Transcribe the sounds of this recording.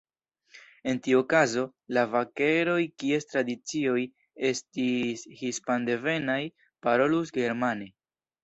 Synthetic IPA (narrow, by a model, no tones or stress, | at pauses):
e̞ntiokazo̞lavake̞ɾo̞jkie̞stɾadit͡sio̞j | e̞stishispande̞ve̞naj | paɾo̞lusɡe̞ɾmane̞